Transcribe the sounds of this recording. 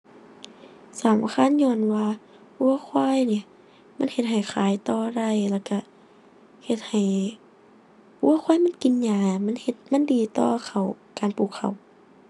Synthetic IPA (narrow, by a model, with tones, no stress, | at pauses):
saː˨˦mʔa̰ː˧kʰaː˧˥˨nɲɔː˧˨nwaː˧ | ʔu˧əkʰwaː˧˥˨jni˧˩˨ | ma˧˥˨nhe˧t̪̚ɦa˨˩jkʰaː˨˦jt̪ɔː˧ɾa˧˩jlaː˧˩ka˧˩ | he˧t̪̚ha˨˩j | ʔu˧˥˨ɐxʰwaː˧˥˨jma˧˥˨nki˨nɲaː˧˩ma˧˥˨nhe˧t̪̚ma˧˥˨ndiː˨˩t̪ɔː˧kʰa˨˩w | kaː˨npuː˧˩kʰːa˨˩w